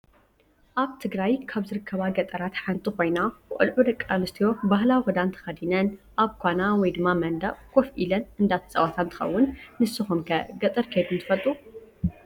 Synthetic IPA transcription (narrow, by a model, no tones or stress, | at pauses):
ʔaβt̪ʰɨɡɾajkʰaβzɨɾɨkʰːɐβaɡɐt̪ʼɐɾat̪ħant̪ʼikʰo̞jnabɨʔʼɨ̰lʕud̪ɐkʼːanɨst̪ʰijo̞bahlawixɨd̪ant̪ʰɐ̥xɐd̪inɐnʔaβkʰʷanawɔjd̪ɨmːamɐnd̪a̰ʔkʰo̞fʔilɐnɨnd̪at̪ʰɐ̥t͡sʼɐwat̪ʰant̪ʰɨ̥xɐ̰wːʊnːɨsɨxumkʰɐ̰ɡɐt̪ʼɨɾkʰed̪unt̪ʰɨfɐlt̪ʼu